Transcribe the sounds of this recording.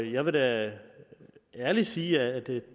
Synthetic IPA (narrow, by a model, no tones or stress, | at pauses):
jɑ̈ɪʋe̝ɾæ | æɐlisiːæːd̥e̝